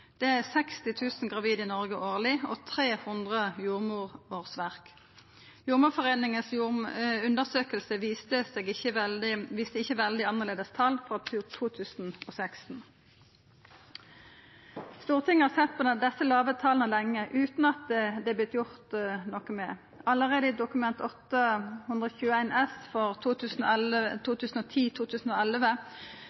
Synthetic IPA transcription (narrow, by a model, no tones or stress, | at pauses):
d̪̥ɛæʁsɛkst̪ɪt̪ʰʉːsn̩ɡʁɑʋiːd̪ɪːnɔʁɡəʔoːʁlɪɔt̪ʰʁeːhʊnd̪ʁəjuːʁmuːʁoːʁsʋæʁk | juːʁmuːʁfɔʁeːnɪŋəsjuʉnd̪əʁsøːkəlsəʋist̪əseːɡəʋiːst̪əɪçːəʋɛld̪ɪɑnːəʁleːd̪əst̪ʰɑlfɔʁɑt̪ʰʉːt̪ʰuːt̪ʰʉːsn̩osɛkst̪n̩ | st̪uːʁt̪ʰɪŋəhɑʁsɛt̪̚pʰɔd̪ɛsːəlɑːʋət̪ʰɑːlnəlɛŋːəʔʉːt̪nɑt̪̚ɛd̪ɛblɪt̪jʊʁt̪nɔkəmɛ | ɑləʁeːd̪əɪd̪ʊkʉmɛnt̪ɔt̪ːəhʉnd̪ʁɔçʉːəæɪnɛsfɔʁt̪ʰuːt̪ʰʉːsn̩̰ɛlt̪ʰuːt̪ʰʉːsn̩oːt̪ʰiːt̪ʰuːt̪ʰʉːsn̩oːɛlʋə